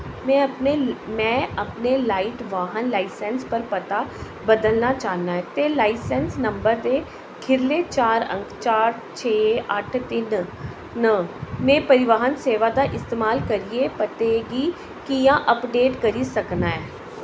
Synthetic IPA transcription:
mɛ̃ːəpnemɛ̃ːəpnelaːɪʈʋaːɦənlaːɪsɛnspəɾpət̪a | bəd̪əlnat͡ʃaːɦnaːɦɛːt̪elaːɪsɛnsnə̃mbəɾt̪e | kʰɪɾleːt͡ʃaːɾə̰̃ŋkʰt͡ʃaːɾ | t͡ʃʰeːəʈʰt̪ɪn | nəmẽːpəɾɪʋaːɦənseːʋad̪aʔɪst̪eːmaːlkəɾiepət̪eɡiː | kijãːʔəpɖeːʈkəɾisəknaːɛː

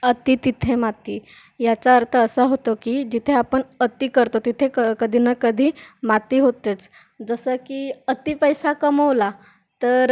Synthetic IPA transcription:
ət̪it̪it̪ʰemat̪i | jat͡saəɾt̪ʰəəsəɦot̪okid͡ʑit̪ʰeapəɳət̪ikəɾt̪ot̪it̪ʰekəkəd̪ʱinəkəd̪ʱiːmat̪iɦot̪et͡s | d͡zəsəkiət̪ipəjsakəməʋla | t̪əɾ

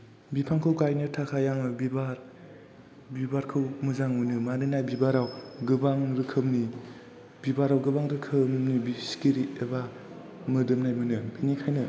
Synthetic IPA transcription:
bipʰaŋkʰɯwɡajnɯtʰakʰajaŋɯbibaɾ | bibaɾkʰɯwmɯzaŋmɯnɯmanɯnajbibaɾawɡɯbaŋɾɯkʰɯmni | bibaɾawɡɯbaŋɾɯkʰɯmnibiskiɾieba | mɯdɯmnajmɯnɯinikʰajnɯ

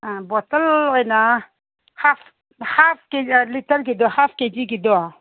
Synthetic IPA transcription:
abot̪əlena | haf | hafkelitəɾk̬id̪ohafked͡ʒikid̪oa

